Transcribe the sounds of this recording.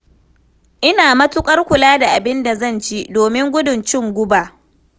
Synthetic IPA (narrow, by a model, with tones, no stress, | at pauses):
ʔɪ˦naː˨mɐ˦tʊ˦kʼɐ˦rkʷʊ˨laː˦da˨ʔa˨bɪ˦nda˨zɐ˦˨nt͡ʃi˦doː˨mɪ˦ŋɡʷʊ˦dʊ˨nt͡ʃɪ˦˨ŋɡʷʊ˦baː˨ʔ